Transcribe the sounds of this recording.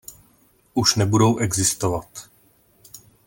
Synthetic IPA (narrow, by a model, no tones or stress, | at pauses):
ʔuʃnɛbudowʔɛɡzɪst̪ovat̪